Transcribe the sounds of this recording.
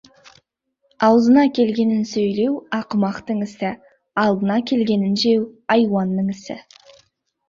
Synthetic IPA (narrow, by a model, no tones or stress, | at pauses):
ɑwzənɑkʲʰe̞lɡʲe̞nɪnsɵjle̞wɑqəmɑqt̪əɴɪst̪ɪ | ɑlˠd̪ənɑkʲʰe̞lɡʲe̞nɪnʒe̞wɑjwɑnːəɴɪsɪ̰